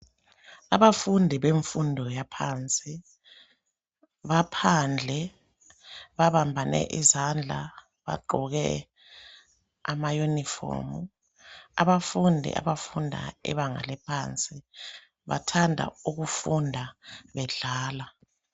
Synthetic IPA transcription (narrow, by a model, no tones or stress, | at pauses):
aβafundʱiβeɱfundʱɔjapʰaːnt͡sʼi | βapʰand͡ɮʱɛ | βaβambʱanɛ̰ʔizand͡ɮʱa̰ | βa̰ǃʱɔɣɛ | amajunifɔ̰ːmu | a̰βafundʱḭʔa̰βafundʱa̰ɛ̰βaŋa̰lɛpʰant͡sʼi | βa̰tʰandʱa̰uɣufundʱaβɛɮaːla